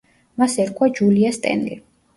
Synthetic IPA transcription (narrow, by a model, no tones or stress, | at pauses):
masɛɾkʰwad͡ʒuliast̪ʼɛ̰nlḭ